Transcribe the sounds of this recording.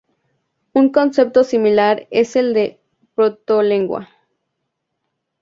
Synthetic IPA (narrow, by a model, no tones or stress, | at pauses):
uŋkonsep̚t̪osimilaɾeseld̪e | pɾot̪oleŋɡwa̰